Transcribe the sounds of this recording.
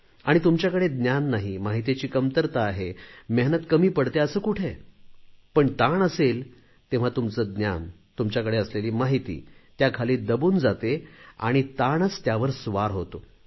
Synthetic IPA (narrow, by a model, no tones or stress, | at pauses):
aɽ̃it̪umt͡ɕjakəɽed̪njanːaɦimaɦit̪et͡ɕiːkəmt̪əɾt̪aːɦemeɦnət̪kəmiːpəɽt̪eəsəːkuʈʰe | pəɳt̪aɳəsel | t̪ẽʋ̤at̪umt͡səːd̪nja̰n | t̪umt͡ɕjakəɽeəsleliːmaɦit̪ḭːt̪jakʰaliːd̪əbuːnd͡zat̪ea̰ɽ̃it̪aɳət͡st̪jaʋəɾsʋaɾɦot̪o